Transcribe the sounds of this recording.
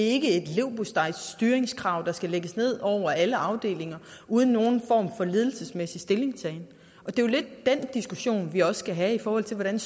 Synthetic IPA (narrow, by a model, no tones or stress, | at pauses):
e̝ɡ̥əe̝d̥le̝ʊ̰b̥osd̥ɑ̈ɪ̰ssd̥yːɐeŋskʰʁɑ̈ʊ̰d̥ɑ̈sɡ̥æleɡ̥əsne̝ð̞̰ˠɒʊ̰ɐæləɑ̈ʊd̥e̝̰ːle̝ŋɐʔuːð̞ˠn̩ːo̝ːn̩fɒ̰ːmfɒ̽le̝ːð̞ˠl̩səsmesisd̥e̝le̝ŋsʰɛːn | ʔɒ̽d̥e̝jle̝d̥̚ːend̥isɡ̥uɕo̝̰ːnʋiɒ̽sə̥sɡ̥æɦæifɒːhɒ̽l̰t͡sʰe̝ʋɒɾ̥æn